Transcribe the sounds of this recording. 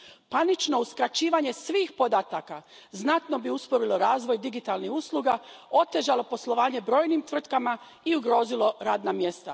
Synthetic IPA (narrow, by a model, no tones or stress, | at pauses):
panit͡ʃno̞uskɾat͡ʃiːʋaɲe̞sʋiːxpo̞d̪at̪aka | znat̪no̞biuspo̞ɾilo̞ɾaːzʋo̞jd̪iɡit̪alˠnihusluɡao̞t̪e̞ʒalo̞po̞slˠo̞ʋaːɲe̞bɾo̞ːjnimt̪ʋr̩t̪kama | iuɡɾo̞ːzilo̞ɾaːd̪namje̞st̪a